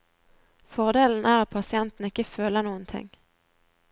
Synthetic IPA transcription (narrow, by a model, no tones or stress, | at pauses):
fɔʁd̪eːln̩ʔæːʁat̪̚pʰɑsɪɛnt̪n̩ɪkːəføːləʁnuːənt̪ʰɪ̰ŋ